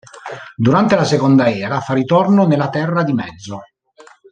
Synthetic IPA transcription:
d̪uɾant̪elasekond̪aɛːɾafarːit̪ornonelːat̪ɛrːad̪imɛd̪zːo

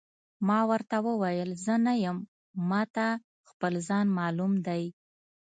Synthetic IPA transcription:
mɑwəɾt̪awəwajəlzənajəmː | ɑt̪a | xpəlzɑnmɑlumd̪aj

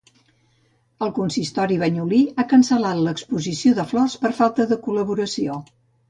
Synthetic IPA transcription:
əlˠkunsist̪ɔɾiβ̞əɲuliakənsəlat̪ləkspuzisioðəflɔspəɾfalˠt̪əðəkuləβuɾəsio

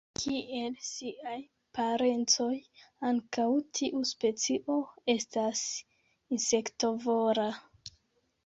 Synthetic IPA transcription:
kʰiʔe̞lsiaj | paɾe̞nt͡so̞jaŋkawtʰiʔuspe̞t͡siʔo̞e̞stas | insekto̞voɾa

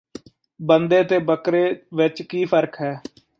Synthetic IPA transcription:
bənd̪eːt̪eːbəkɾeːʋɪt͡ʃkiːpʰəɾkɦɛː

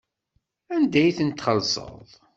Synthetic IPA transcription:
ænd̪æjθənt̪χəlsə̰ðˤ

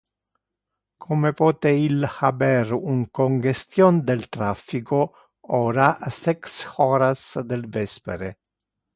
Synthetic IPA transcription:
kʰomepɔːt̪eilhabɛɾuŋkoŋɡest̪jond̪elt̪ɾafːiko | ɔːɾasɛksoːɾasd̪elvɛspḛɾe

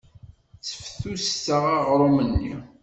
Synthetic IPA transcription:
t͡sːə̥fθustəʁæʁɾˤomənːḭ

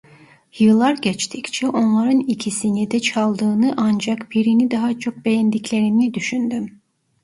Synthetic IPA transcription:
jɯlˠːaɾɟɛt͡ʃt̪ʰict͡ʃʰɛʔo̞nlˠaɾɯnicʰisinid̪ɛt͡ʃʰalˠd̪ɯːnɯʔand͡ʒakbʰiɾinid̪aɦat͡ʃʰo̞k̚be̞jænd̪iclʲe̞ɾinid̪yʃynd̪ym

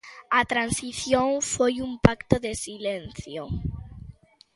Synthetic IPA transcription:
at̪ɾansiθjoŋfojumpakt̪oðesilenθjo

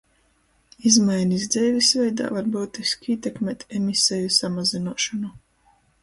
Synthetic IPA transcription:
izmajnizd̪zɛːvʲisvɛjd̪a̰ːvaɾbuːt̪iskʲiːt̪ekmʲɛːt̪emisɛjusamazinuɔʃɔnu

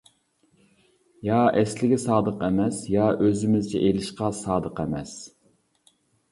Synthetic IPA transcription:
jɑɛslɪɡʲɛsɑːd̪əqɛmɛsjɑʔøzɪmɪzt͡ʃʰɛ̰ʔelɪʃqɑsɑːd̪əqɛmɛs

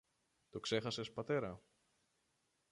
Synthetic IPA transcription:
t̪o̞kse̞xɐse̞spɐt̪e̞ɾɐ

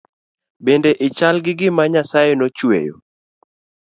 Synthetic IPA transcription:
bendeʔɪt͡ʃalɡɪɡɪmaɲasajenot͡ʃwḛjo̰

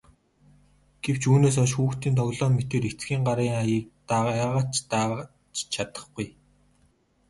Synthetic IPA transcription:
ɡ̥ew̥t͡ɕuːneːs̬ɔʃ̬xuːxt̪iːnt̪ʰɔwɮɔːmet̪eːɾet͡sɡiːŋɢaɾiːŋj̚t̪aaʁat͡ɕt̪a | t͡ɕt͡ɕʰat̪ə̥̆χɡ̥uj

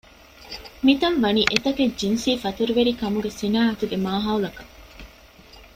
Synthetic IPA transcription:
mit̪ɐnʋɐniːʔet̪ɐked͡ʒinsiːfɐt̪uɾuʋeɾikɐmuɡesinaːɦɐt̪uɡemaːɦaːwlɐkɐ

